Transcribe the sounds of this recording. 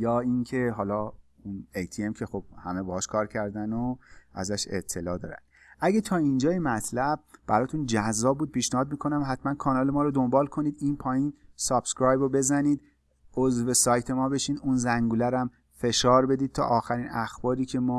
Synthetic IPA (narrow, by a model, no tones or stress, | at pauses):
jɒːiŋcʰe̞ɦɒːlɒː | unejt̪ʰiemcʰe̞xob̥̚hæmebɒːhɒːʃkʰɒːɾcʰæɾd̪ænoʔæ̰zæʃe̞̰t̪ʰːe̞lɒːd̪ɒ̰ːɾæ̰n | ʔæɟet̪ʰɒːind͡ʒɒːjemæt̪ʰlæb̚b̥æɾɒːt̪ʰund͡ʒæzːɒːb̚buːd̪̚pʰiːʃnehɒːd̪̚miːkʰo̞næmɦæt̪mænkʰɒːnɒːlemɒːɾod̪o̞mbɒːlkʰo̞niːd̪iːnpʰɒːjiːnsɒb̥skɾɒːjbobe̞zæniːd̪̚ | ozve̞sɒːjt̪ʰe̞mɒːbe̞ʃiːd̪unzæŋɡuːlæɾæm | fe̞ʃɒːɾbe̞d̪id̪̚t̪ʰɒ̰ʔɒːxæɾinæxb̥ɒːɾiːcʰe̞mɒː